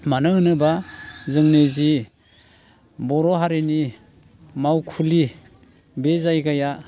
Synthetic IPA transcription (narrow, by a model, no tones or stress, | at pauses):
manɯɯnɯbazɯŋnezi | bɔɾɔɦaɾeni | mawkʰuli | bezajkaja